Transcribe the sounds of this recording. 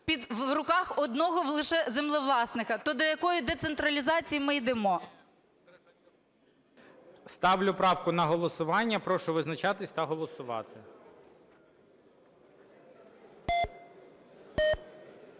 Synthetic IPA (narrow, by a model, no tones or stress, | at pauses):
pʲid̪ʋɾʊkɑxɔd̪nɔɦɔʋlˠɪʃɛzemlˠɔʋlˠɑsnɪxɐt̪ɔd̪ɔjɐkɔjid̪et̪sent̪ɾɐlʲizɑt͡sʲijimɪjd̪emɔ | st̪ɑʋlʲʊpɾɑwkʊnɐɦɔlˠɔsʊʋɑnʲːɐpɾɔʃʊʋɪznɐt͡ʃɑt̪ɪsʲt̪ɐɦɔlˠɔsʊʋɑ̰t̪ɪ